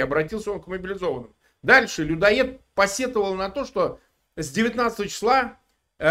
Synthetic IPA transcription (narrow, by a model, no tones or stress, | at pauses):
ɐbɾɐtʲilˠsʲəo̞nkməbʲɪlʲɪzo̞vənːəmʊ | d̪alʲʂɨlʲʊd̪ɐet̪̚pɐsʲe̞t̪əvəlˠnɐt̪o̞ʂt̪o̞ | zʲdʲɪvʲɪt̪nat̪st̪əvət͡ɕɪ̥slˠa